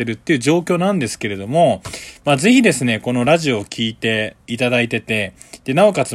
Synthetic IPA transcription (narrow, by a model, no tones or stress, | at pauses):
eɾɯ̟t̪ːe̞iɯ̟ːʑo̞ːk̬ʲo̞ːnãnd̪e̞sɨ̥ke̞ɾe̞d̪o̞mo̞maːze̞çid̪e̞sɨne̞ko̞no̞ɾaʑio̞ːkʲʰiːt̪e̞it̪ad̪ait̪e̞t̪e̞ | d̪̥e̞nao̞kat͡sɨ